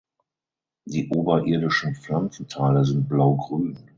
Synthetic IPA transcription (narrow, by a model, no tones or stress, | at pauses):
d̥iːʔoːbɐʔɪɐdɪʃn̩flant͡sn̩tʰaːləzɪnt̚b̥laʊɡʁyːn